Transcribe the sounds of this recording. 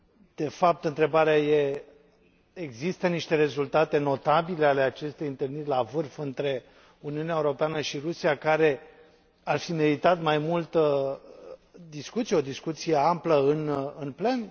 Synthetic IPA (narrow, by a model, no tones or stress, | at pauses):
d̪̥e̞fap̚t̪ɨnt̪ɾe̞baɾeaje̞ | eɡzist̪əniʃt̪e̞ɾe̞zult̪at̪e̞no̞t̪abile̞ale̞at͡ʃe̞st̪ejɨnt̪ɨlnirʲlavɨrfɨnt̪ɾe̞ | uniuneaeuɾo̞peanəʃiɾusijakaɾe̞ | arfime̞ɾit̪at̪majmult̪ə | d̪iskut̪sije̞od̪iskut̪sije̞ampləɨnɨnple̞n